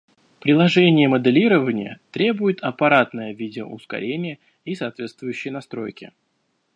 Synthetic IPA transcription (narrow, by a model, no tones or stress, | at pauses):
pɾʲɪlˠɐʐɛnʲɪjəməd̪ɨlʲiɾəvənʲɪjə̰t̪ɾʲe̞bʊjɪt̪ʰɐpɐɾat̪nəjəvʲidʲɪʔʊ̰skɐ̰ɾʲenʲɪjə | isaːt̪vʲe̞t̪st̪vʊjʉɕːɪjnɐst̪ɾo̞jkʲɪ̰